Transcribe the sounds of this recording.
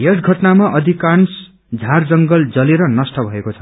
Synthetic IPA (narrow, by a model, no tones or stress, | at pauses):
ɦesɡʱʌʈnamaʔʌd̪ʱikans | d͡zʱard͡zʌŋɡʌld͡zʌleɾʌnʌsʈʌbʱʌekot͡sʰʌ̥